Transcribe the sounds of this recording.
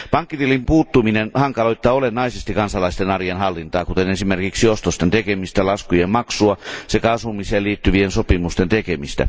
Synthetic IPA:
pɑŋkːit̪iːlimpuːt̪ːuminenhɑŋkɑloit̪ːɑːolenːɑisest̪ikɑnsɑlɑist̪enɑrijenhɑlːint̪ɑːkut̪enesimerkiksiost̪ost̪ent̪ekemist̪ælɑskujemmɑksuɑsekæɑsʋumiseːliːt̪ːyʋiensopimust̪ent̪ekemist̪æ̰

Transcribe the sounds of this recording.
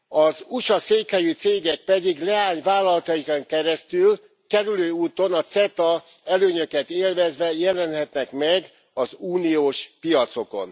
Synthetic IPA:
ɒzuʃɒseːkhɛjyt̪seːɡɛk̚pɛd̪iɡlɛaːɲvaːlːɒlɒt̪ɒjikɒŋkɛɾɛst̪yl | kɛɾyløːuːt̪o̞nɒt̪sɛt̪ɒ | ɛløːɲøkɛt̪eːlvɛzvɛjɛlɛnhɛt̪nɛkmɛɡ | ɒzuːnijoːʃpijɒt̪so̞ko̞̰n

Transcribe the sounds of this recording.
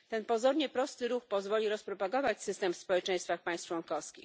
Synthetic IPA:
t̪ɛnpɔzɔɾɲɛpɾɔst̪ɘɾuxpɔzvɔlʲiɾɔspɾɔpaɡɔvat͡ɕsɘst̪ɛmfspɔwɛt͡ʂɛ̃j̃st̪faxpaj̃st̪t͡ʂwɔnkɔfskʲix

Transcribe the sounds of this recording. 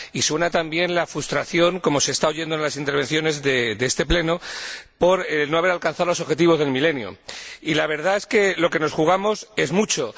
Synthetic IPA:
iswe̞nat̪ambje̞nlafɾust̪ɾaθjo̞ŋko̞mo̞se̞ːst̪aoʝe̞nd̪oenlasint̪eɾβe̞n̟θjo̞ne̞zðed̪eest̪e̞ple̞no̞po̞ɾelno̞aβe̞ɾalkan̟θaðolo̞soβxe̞t̪̬iβo̞zðe̞lmile̞njo̰ilaβ̞e̞ɾðae̞ske̞lo̞ke̞no̞sxuɣ̞amo̞se̞zmut͡ʃo̞

